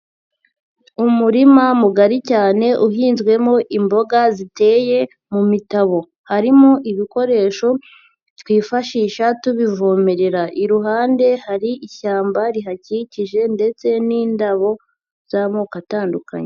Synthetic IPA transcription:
umuɾimamuɡaɾicaːne̞ʔuɦiːnzɡwe̞mo̞ʔimbo̞ɡazite̞ːje̞ | mumitaβo̞ | haɾimo̞ʔiβiko̞ɾe̞ːʃo̞ | twiːfaʃiːʃatuβivoːmeɾe̞ɾaʔiɾuɦaːnde̞haɾiʔiçaːmbaɾiɦaciciʒe̞nde̞t͡se̞niːndaβo̞ | z̥amokataːnduka̰ɲe

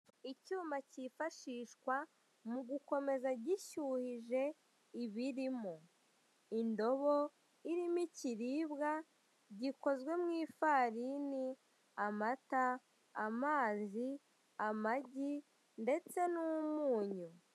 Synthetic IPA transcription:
icuːmbacifaʃiʃkwa | muɡuko̞me̞zaɟiʃuhiʒe̞ | iβiɾimo | indo̞βo̞ | iɾimiciɾiːbɡa | ɟiko̞zɡwe̞mŋiːfaɾini | amata | amaːzi | amaɟi | nde̞t͡se̞numuːɲu

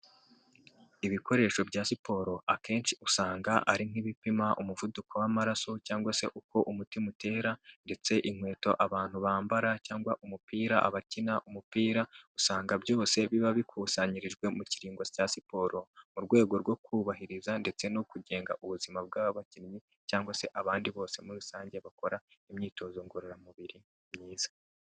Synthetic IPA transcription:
iβiko̞ɾe̞ːʃo̞bɟaːsipo̞ɾo̞ʔakʰe̞ːnsiusaːŋɡaʔaɾin̥iβipimaʔumuvudukʰo̞wamaɾaso̞caːŋɡwase̞ʔuko̞ʔumutimute̞ːɾande̞t͡se̞ʔiŋ̥we̞ːto̞ʔaβaːn̥huβaːmbaɾacaːŋɡwaʔumupiːɾaʔa̰βacinaʔumupiːɾausaːŋɡabjo̞ːse̞βiβaβikʰuːsaɲiɾiʒɡwe̞muciɾiːŋɡocasipo̞ːɾo̞muɾɡwe̞ːɡo̞ɾɡwo̞kuβaɦiɾizande̞t͡se̞nokuɟe̞ːŋɡaʔuβuzimab̚ɡaːβaβacinimi | caːŋɡwase̞ʔaβaːndiβo̞ːse̞muɾusaːɲɟe̞βako̞ɾaimɲiːto̞ːzoŋɡuɾeɾamuβiɾi | mɲiːz̥ḁ

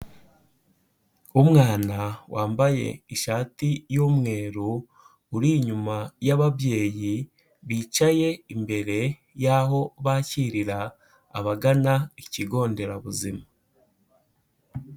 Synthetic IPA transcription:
umŋaːnawʔaːmbaje̞̰iʃaːtijomŋe̞ːɾu | uɾiɲumajaβabje̞ːji | βiːt͡ʃaje̞imbe̞ɾe̞ | jaɦo̞βaciɾiɾa̰ː | βaɡanaiciɡo̞ːnde̞ɾaβuzima

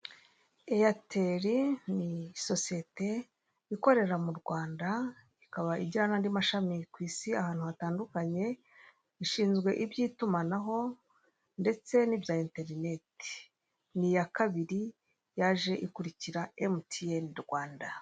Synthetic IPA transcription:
ejateɾiniso̞sie̞te̞ | iko̞ɾe̞ɾamuɾɡwaːnda | ikaβaʔiɟanandimaʃamikwiːsiahaːnhuhataːndukaɲe̞ | iʃiːnzɡwe̞ʔibjiːtumanaɦo̞ | nde̞t͡se̞nibjaːente̞ɾine̞ti̥ | nijakaβiɾi | jaːʒe̞ʔikuɾiciɾaemtieniɾɡwaːnda

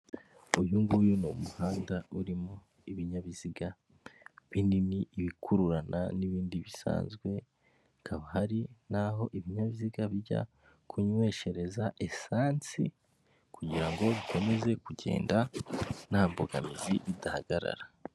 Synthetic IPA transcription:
ujuŋɡujuno̰muhaːndauɾimo | iβiɲaβiziɡa | βindimiʔiβikʰuɾuɾana̰niβiːndiβisa̰ːnzɡwe̞ | kʰaβahaɾinaɦo̞ʔiβiɲaβiziɡaβiɟa̰ | kʰuɲwe̞ːʃe̞ɾe̞zaʔe̞saːnt͡sḭ | kuɟiɾaŋɡo̞βikʰo̞me̞ze̞kuɟe̞̰ːndan̥haːmboɡa̰miziβidaha̰ɡ̥aɾa̰ɾa

